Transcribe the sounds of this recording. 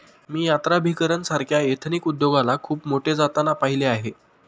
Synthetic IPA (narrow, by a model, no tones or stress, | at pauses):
miːjat̪ɾabʱikəɾənsaɾkʰjaet̪ʰnikud̪joɡalakʰuːpmoʈʰed͡zat̪anapaɦileaɦe